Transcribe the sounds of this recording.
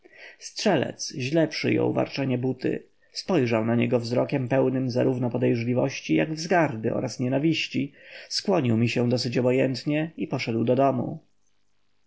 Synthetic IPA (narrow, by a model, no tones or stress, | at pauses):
stʂɛlɛ̰t̪sʑlɛpʂɘ̰jɔ̰wva̰ɾt͡ʂɛɲɛbut̪ɘ̰ | spɔjʐawnaɲɛɡɔvzɾɔkʲɛmpɛwnɘmza̰ɾuvnɔpɔd̪ɛjʐlʲivɔɕt͡ɕijaɡvzɡaɾb̪ɘʔɔ̰ɾasɲɛnavʲiɕt͡ɕiskwɔɲiwmʲiɕɛ̃d̪ɔsɘt͡ɕɔbɔjɛnt̪ɲɛipɔʂɛd̪wd̪ɔd̪ɔmṵ